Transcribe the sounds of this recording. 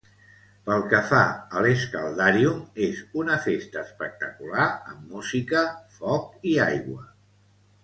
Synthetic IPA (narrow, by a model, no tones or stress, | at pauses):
pəlˠkəfa̰əleskəlˠd̪aɾiumezunəfest̪əːspək̚t̪əkulaəmːuzikəfɔk̚iajɣwə